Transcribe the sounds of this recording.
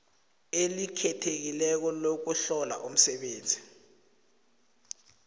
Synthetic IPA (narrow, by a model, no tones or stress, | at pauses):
elikʰɛtʰek̬ilɛk̬ɔlok̬uɬɔla̰ʔum̩sɛɓeːnd͡zʱi